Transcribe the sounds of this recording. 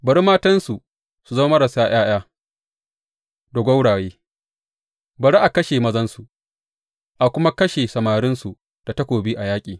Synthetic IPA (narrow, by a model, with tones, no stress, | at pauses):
bɐ˨ɾi˦maː˦tɐ˦nsu˨ | su˨zɐ˦ma˦mɐ˦ɾɐ˨saː˦j̰aː˦j̰aː˦ | do˨ɡʷɐ˦wɽaː˨jeː˦ | bɐ˨ɾi˦ʔa˨kɐ˦ʃeː˨mɐ˦zɐ˦nsu˨ | ʔa˨kʷʊ˦ma˦kɐ˦ʃeː˨sɐ˨maː˨ɾɪ˦nsu˨ | d̥a˨tɐ˦kʷoː˨bi˦ʔa˨jaː˦kʲʼiː˨